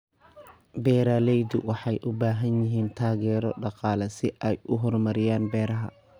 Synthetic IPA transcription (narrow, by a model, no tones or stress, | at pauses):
bɛːɾaːlɛjd̪ʊwɑħɑjʔʊbaːɦɐnjɪɦiːnt̪ʰaːɣɛːɾɔ̰ɖɑqɑːlɐsɪʔɛjʔʊɦɔrmɐɾɪjaːnbɛːɾɐɦɐ̰